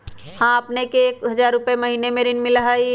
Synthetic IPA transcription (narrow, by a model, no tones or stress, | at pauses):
hãəpnekeːkɦəd͡ʒaːɾːupeməɦinemeɾinmɪlɦəj